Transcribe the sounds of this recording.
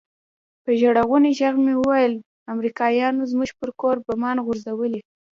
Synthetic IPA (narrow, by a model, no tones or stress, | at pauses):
pəʒaɽaɣuneʒaɣmewəwajəl | amɾikɑjɑnozmuʒpəɾkoɾbamɑnɣʊɾzawəli